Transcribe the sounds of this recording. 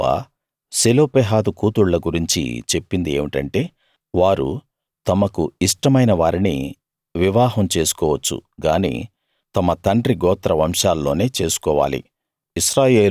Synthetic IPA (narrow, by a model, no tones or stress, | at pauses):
a̰ | seloːpeːɦaːd̪ukuːt̪uɭlɐɡuɾiɲt͡ʃḭt͡ʃe̞pːind̪ieːʋiʈɐɳʈe̞ː | ʋaːɾṵ | t̪ɐmɐkuiʂʈɐmɐjnɐʋaːɾinḭ | ʋiʋaːɦɐmt͡ʃe̞ːsu̥kɔːʋɐt͡ʃːṵɡaːnḭː | t̪ɐmɐt̪ɐɳɖɾiɡɔːt̪ɾɐʋɐmʂaːlːo̞ːne̞ːt͡ʃe̞ːsu̥kɔːʋa̰ːlḭ | iʃɾaːje̞ː